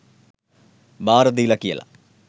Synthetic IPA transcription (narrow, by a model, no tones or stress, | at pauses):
bʱaːɾɐðijilɐkːijɐ̰lɐ̰